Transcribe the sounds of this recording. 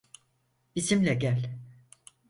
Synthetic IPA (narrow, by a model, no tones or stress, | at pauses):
isimlʲɛɟælʲ